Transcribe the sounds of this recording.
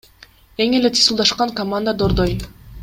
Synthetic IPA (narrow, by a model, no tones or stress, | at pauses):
e̞ŋe̞let̪ʰi̥sulˠd̪ɑʃqɑŋkɐmand̪əd̪oɾd̪oj